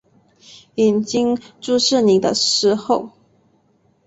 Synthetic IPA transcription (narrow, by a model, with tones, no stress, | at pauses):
i˨˩nt͡ɕi˥ŋʈ͡ʂu˥˧ʂɻ̩˥˩ni˨˩˦d̪ə˦ʂɻ̩˧˥xo˥˩ʊ